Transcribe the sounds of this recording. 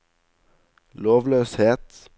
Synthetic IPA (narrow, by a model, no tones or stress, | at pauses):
loːʋløːsheːt̪